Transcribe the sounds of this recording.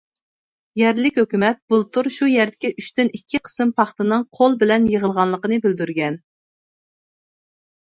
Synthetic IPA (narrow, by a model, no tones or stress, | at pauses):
jɛɾlɪkʲhøkʲymɛt̪̚b̥ulˠt̪ʰuɾʃujɛɾd̪ɪkʲiʔyʃt̪ynikʲʰːiqʰə̥sɨmpʰɑχt̪ɨnɨŋqʰolˠbɪlɛnjəʁəlˠʁɑnlˠəqənɨbyld̪yɾɡʲɛn